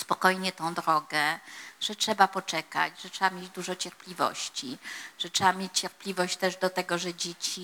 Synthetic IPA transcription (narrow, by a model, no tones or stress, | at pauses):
spɔkɔjɲɛt̪ɔ̃w̃d̪ɾɔɡɛʐ̥ɛtʂɛbapɔt͡ʂɛka̰d͡ʑʐɛtʂɛbamʲjed͡ʑd̪uʐɔt͡ɕɛɾplʲivɔ̰ɕt͡ɕiʐ̥ɛtʂɛbamʲjet͡ɕt͡ɕɛɾpʲlʲivɔɕt͡ɕt̪ɛʐd̪ɔt̪ɛɡɔʐɛd͡ʑet͡ɕi